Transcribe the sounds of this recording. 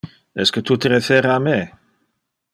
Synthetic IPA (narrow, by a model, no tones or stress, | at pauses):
ɛskət̪ʰut̪əɾeθeɾame